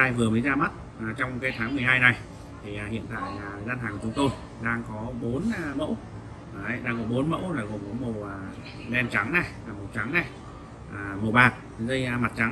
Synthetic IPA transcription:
ʔaː˧jvɨ˨˩əməː˨˦jzaː˧ma˦˥t̚ | ʔːt͡ɕɔ˧wŋ͡mkaː˨˦jt̪ʰaː˨˦ŋmɨ˨˩əjɦaː˧jna˨˩j | t̪ʰi˨˩aː˨˩hḭ˧˨ənt̪a̰ː˧˨jːzaː˧nɦaː˨˩kːt͡ɕʊ˨˦ŋ͡mt̪o˧j | ɗaː˧ŋkɔ˨˦ɓo˨˦nː˨˩mə̰˧˥w | ɗaː˧ŋkɔ˨˦ɓo˨˦nmə̰˧˥wlaː˨˩ɣo˨˩ŋ͡mko˨˦mo˨˩waː˨˩ | ɗɛ˧nt͡ɕa˨˦ŋnɛ˨˩ | aː˨˩mo˨˩t͡ɕa˨˦ŋnɛ˨˩ | ʔːmo˨˩ɓaː˨˩t̚zə˧jma˨˩t̚t͡ɕa˨˦

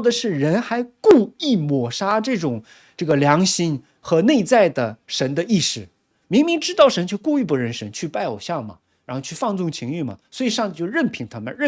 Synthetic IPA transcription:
d̪ə˩ʂɻ̩˥˩ɻə˧˥nxa˧˥ɪku˥˧i˥˩mwɔ˨˩ʂa˥ʈ͡ʂɤ˥˩ʈ͡ʂʊ˨˩ŋ | ʈ͡ʂɤ˥˩ɡə˩ljɑ˧˥ŋɕi˥n | xɤ˧˥ne˥˧ɪt͡sa˥˩ɪd̪ə˩ʂə˧˥nd̪ə˧i˥˩ʂɻ̩˥˩ | mi˧˥ŋmi˧˥ŋʈ͡ʂɻ̩˥t̪ɑ˥˩ʊʂə˧˥nt͡ɕjo˥˧ʊku˥˧y˥˩p̬u˧˥ɻə˧˥nʂə˧˥nt͡ɕʰy˥˧pa˥˩ɪo˨˩ʊɕjɑ˥˩ŋmɐ̰˩ | ɻa˧˥xo˥˧t͡ɕʰy˥˩fɑ˥˧ŋt͡sʊ˥˩ŋt͡ɕʰi˧˥ŋy˥˩mɐ̰˩swɔ˧˥i˨˧˩ʂɑ˥˧ŋt͡si˥˩t͡ɕjo˥˧ʊɻə˥˩npʰi˧˥ŋt̪ʰa˥mə̰˨˦nɻə˥˩

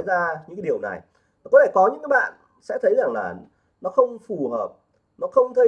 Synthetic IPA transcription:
zaː˧ɲɨ̰˧˥kːaː˨˦i˨˩əwna̰˨˩j | a˨˩kɔ˨˦t̪e˧˩kɔ˨˦ɲɨ̰˧˥ŋkaː˨˦jɓa̰ː˧˨n | sɛ̰˧˥t̪ʰə˨˦jza˨˩ŋlaː˨˩ | nɔ˨˦xə˧wŋ͡mfu˨˩ɦəː˨˩p̚ | nɔ˨˦xə˧wŋ͡mt̪ʰə˧

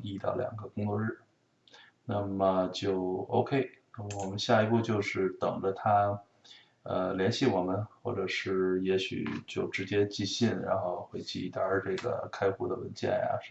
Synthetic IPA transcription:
i˥˧t̪ɑ˥˩ʊljɑ̰˨˩ŋɡə˦kʊ˥ŋt͡swɔ˥˧ɻ̩˥˩ | na˥˩mə˩t͡ɕjo˥˩ʊo˥ʊkʰe˥ɪna˥˩m˩wɔ˨˩mə˦nɕja˥˩i˧˥pu˥˧t͡ɕjo˥˧ʊʂɻ̩˥˩t̪ɤ˨˩ŋʈ͡ʂə˦t̪ʰa˥ | ə˧ljɛ˧˥nɕi˥˩wɔ˨˩mə˦nxwɔ̰˥˩ʈ͡ʂɤ˨˩ʂɻ̩˥˩jɛ˧˥ɕy̰˨˩t͡ɕjo˥˩ʊʈ͡ʂɻ̩˧˥t͡ɕjɛ˥t͡ɕi˥˧ɕi˥˩nɻa̰˧˥nxo˥˧ʊxwe˧˥ɪt͡ɕi˥˩˧t̪a˧˥ʈ͡ʂɤ˥˩ɡə̰˩kʰa˥ɪxu˥˩d̪ə˨wə̰˧˥nt͡ɕjɛ̰˥˩nja̰˩˧˥

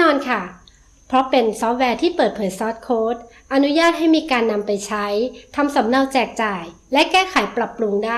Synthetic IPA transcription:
ɔː˧nkʰa˥˩ | pʰɾɔ˦˥pe˧nsɔː˦˥p̚wɛː˧t̪ʰiː˥˩pɤː˨˩t̪̚pʰɤː˨˩˦jsɔː˦˥t̪̚kʰoː˦˥t̪̚ | ʔa˧nu˦˥jaː˥˩t̪̚ha˥˩jmiː˧kaː˧nːa˧mpa˧jt͡ɕʰa˦˥jt̪ʰa˧msa˩˦mna˧wt͡ɕɛː˨˩k̚t͡ɕaː˨˩j | lɛ˦˥kɛː˥˩kʰaː˨˩˦jpɾa˨˩pːɾu˧ŋdaː˥˩

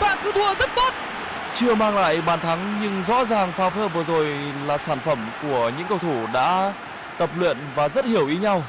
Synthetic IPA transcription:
ɓa̰ː˧˨nk̪ɨ˨˧˦t̪ʰu˧˩əzə˦˥t̚t̪o˦˥t̚ | t͡ɕɨ˧əmaː˧ŋla̰ː˧˨jɓaː˨˩nt̪ʰa˨˦ŋɲɨ˧ŋzɔ̰˧˥zaː˨˩ŋfaː˧wvəː˧vɨ˨˩əzo˨˩jlaː˨˩saː˧˩nfə˧˩mku˧˩əɲɨ̰˧˥ŋkə˧wt̪ʰu˧˩ɗa̰ː˧˥ | t̪ə˨˩p̚lwḭ˧˨ənvaː˨˩zə˦˥t̚hi˨˩əwʔi˨˦ɲa˧w

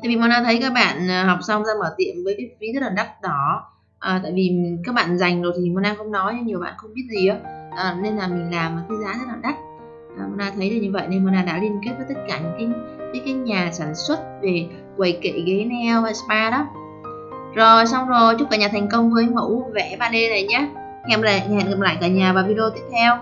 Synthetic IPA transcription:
t̪aː˧˨jvi˨˩mɔ˧˩nʔaː˧t̪ʰə˨˦jkaː˦˥k̚ɓa̰ː˧˨nː˨˩hɔ˨˩wk͡p̚sa˧wŋ͡mzaː˧məː˧˩t̪ḭ˧˨ənvəː˨˦jki˨˦˥vi˨˦zə˦˥ɗə˨˩nɗa˦˥k̚ɗɔ˨˦ | ʔəː˨˩t̪a̰ː˧˨jvi˨˩kaː˦˥k̚ɓa̰ː˧˨nza˨˩jŋ̟zo˨˩t̪ʰi˨˩mo˧nʔaː˧xə˧wŋ͡mnɔ˨˦a˧˨˦ɲi˨˩əwɓa̰ː˧˨nxə˧wŋ͡mɓi˦˥ət̚zi˨˩əː˨˦ʔəː˨˩ne˧nlaː˨˩mï˨˩ŋ̟laː˨˩m̚˨˩kaː˨˦zaː˨˦t̪ə˦˥ɗə˨˩nɗa˦˥k̚ | ʔmo˧naː˧t̪ʰə˨˦jzə˨˩ɲɨ˧və̰˧˨jna˧nm˧naː˧˩ɗa̰ː˧˥li˧ənki˦˥t̚vəː˨˦t̪ə˦˥t̚kaː˧˩ɲɨ̰˧˥ŋkaː˨˦ə˨˦kaː˨˦jɲaː˨˩saː˧˩nswə˦˥t̚ve˨˩ | kwə˨˩jkḛ˧˨ɣe˨˦nɛ˧wvaː˨˩spaː˧ɗɔ˨˦ | zo˨˩sa˧wŋ͡mzo˨˩t͡ɕʊ˦˥kaː˧˩ɲaː˨˩ɛ˨˩jŋ̟kə˧wŋ͡mvəː˨˦jmə̰˧˥wvɛ˧˩ɓaː˧ɗe˧nə˨˩jɲaː˨˦ | hɛ˧mla˨˩˨ɛ̰˧˨nə˨˩p̚la̰ː˧˨kaː˧˩ɲaː˨˩vaː˨˩vi˧ɗo˧t̪i˦˥əp̚t̪ʰɛ˧w

